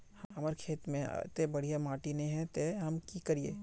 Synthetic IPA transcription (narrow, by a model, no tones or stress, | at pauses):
hɦɐməɾkʰeːt̪mḛ̃t̪ebɐɽ̤ijamaːʈinẽɦɛ̃t̪eɦɐmkikɐɾiḛː